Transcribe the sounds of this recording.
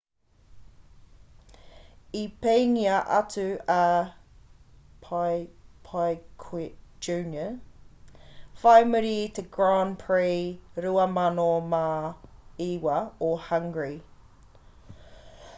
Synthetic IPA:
ipeɪŋiɐʔɐ̰t͡sʉɐ | pʰ | pʰajkʰɪd͡ʒʉːnjə | faɪməɾitʰəɡɹaːnpʰɹiːɾʉɐmɐnomaː | iːwɐohɐŋɡɹi

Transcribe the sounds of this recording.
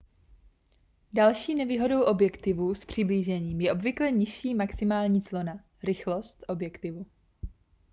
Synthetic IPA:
dalʃiːnɛviːɦodo̞wʔo̞bjɛkt̪ɪvuːspr̝̥ɪbliːʒɛɲiːmjɛʔo̞bvɪklɛɲɪʃiːmaksɪmaːlɲiːt͡slo̞na | ɾɪxlo̞st̪ʔo̞bjɛkt̪ɪvu

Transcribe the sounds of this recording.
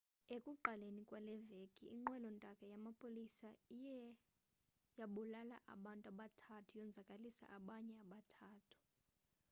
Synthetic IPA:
ekʼuǃalenikʼwalɛvekʼiːŋ͡ǃwɛlɔntʼakʼajamapʰʼolisaijɛ | jaɓulala̰ʔa̰ɓantʼaɓatʰatʰujɔnd͡zʱakʼalisa̰ʔaɓaɲɛaɓatʰaːtʰu̥

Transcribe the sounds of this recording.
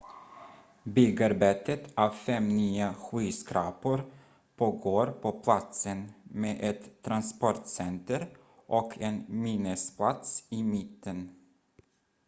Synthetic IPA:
bʏɡaɾbeːt̪ət̪ɑːvfɛmnyːaɧyːskɾɑːpʊɾ | pʰoːɡoːɾpʰɔpʰlat̪sənmeːʔɛt̪ʰːɾanspɔʈsɛnt̪əɾ | ʔɔkʰɛnmiːnəspʰlat̪sɪmɪt̪ːən

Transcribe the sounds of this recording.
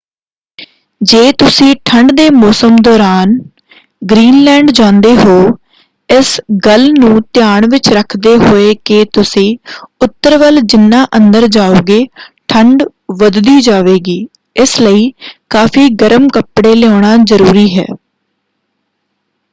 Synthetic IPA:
d͡ʒeːt̪ʊsĩːʈʰəɳɖd̪eːmɔːsəmd̪ɔːɾaːn | ɡɾiːnlɛ̃ːɳɖd͡ʒãːnd̪eːɦoː | ɪsɡəlnũːt̪ɪjaːɳʋɪt͡ʃɾəkʰd̪eːɦoːeːkeːt̪ʊsĩːʊt̪ːəɾʋəld͡ʒɪnːãːʔə̃nd̪əɾd͡ʒaːoːɡeːʈʰəɳɖ | ʋəd̪d̪iːd͡ʒaːʋeːɡiː | ɪsləiːkaːpʰiːɡəɾəmkəpɽeːlɪoːɳ̃aːzəɾuːɾiːɦɛ̰ː

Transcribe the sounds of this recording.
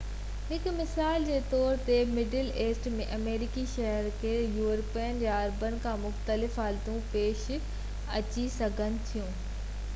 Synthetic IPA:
ɦɪkmɪsaːld͡ʑeːt̪ɔːɾt̪emɪɖəleːsʈmẽʔɐmeːɾɪkiʃɐɦəɾkʰeːjuːɾpiːənd͡ʑaɐɾbənɪ̆kʰãːmʊxt̪əlɪfɦaːlt̪ũpeːʃɪ | ɐt͡ɕisɐɡʱənɪ̆t̪ʰijũː

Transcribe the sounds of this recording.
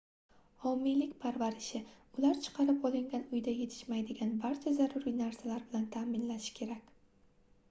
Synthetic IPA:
ɒmːijlɪkʲpʰaɾvaɾɪʃɪʊlaɾt͡ʃʰɨ̥qʰɑɾɪpɒlˠɪŋɡʲanʊjd̪aje̞t̪ʰɪ̥ʃmajd̪ɪɡʲanbaɾt͡ʃʰazaɾʊɾinaɾsalaɾbɪlant̪ʰaːmɪnlaʃɪ̥kʲʰe̞ɾakʲ

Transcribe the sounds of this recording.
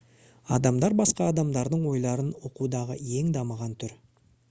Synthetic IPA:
ɑ̰d̪ɑmd̪ɑɾbɑsqɑːd̪ɑmd̪ɑɾd̪əɴwo̞jlˠɑɾənwo̞qud̪ɑʁəje̞ŋd̪ɑməʁɑnt̪ʰʏɾ

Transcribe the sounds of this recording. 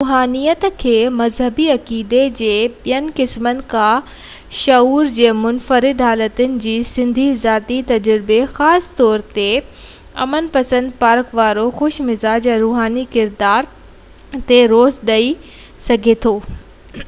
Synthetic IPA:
ɾuːɦaːnijət̪kʰeːmɐzɦəbiɐkiːd̪ed͡ʑeːɓijənɪ̆kɪsmənɪ̆kʰã | ʃɐuːɾd͡ʑeːmʊnfəɾɪd̪ɦaːlət̪ənɪ̆d͡ʑiːsɪ̃nd̪ʱizaːt̪it̪ɐd͡ʑɾɪbexaːst̪ɔːɾt̪e | ɐ̰mənpɐsə̃nd̪paːɾkʋaːɾoxʊʃmɪzaːd͡ʑɛ̃ːɾuːɦaːnikɪɾd̪aːɾ | t̪eɾoːzɗɐi | sɐɡʱet̪ʰoː

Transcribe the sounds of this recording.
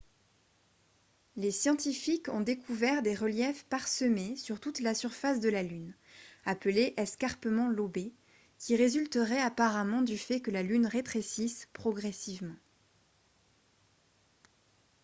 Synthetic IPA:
lesjɑ̃t̪ifikɔ̃d̪ekʰuvɛʁd̪eʁəljɛfpaʁsəmesyʁt̪ut̪lasyʁfasd̪əlalyn | apəleʔɛskaʁpəmɑ̃lobe | kʲiʁezylt̪əʁɛapaʁamɑ̃d̪yfɛkəlalynʁet̪χesispχɔɡʁɛsivmɑ̃

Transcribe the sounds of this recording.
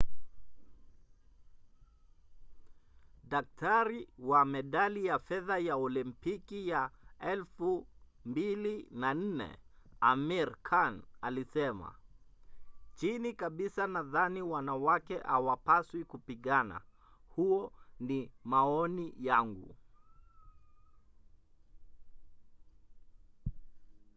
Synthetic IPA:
ɗak̚taɾiwamɛɗalijafɛðajaɔlimpikijaɛlfumbilinan̩nɛ̰ | amiɾkʰanalisɛma̰ | t͡ʃinikaɓisanaðaniwanawakɛʔawapaswikupiɠana̰ | huɔnimaɔnijaŋɡṵ

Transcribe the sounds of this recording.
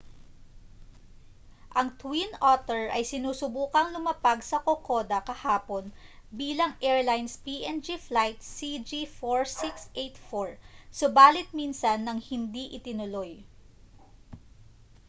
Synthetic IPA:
ʔɐŋt̪winʔot̪ɛɹʔɐjsɪnuːsʊbuːkɐŋlʊmɐpaɡsɐkoko̞d̪ɐkɐhaːponbiːlɐŋʔɛɹlajnspiːʔɛnd͡ʒiflajt̪̚sid͡ʒifoɹsiksʔejt̪foɹsobaːlɪt̪̚minsɐnːɐŋhɪnd̪iʔɪt̪ɪnʊloj

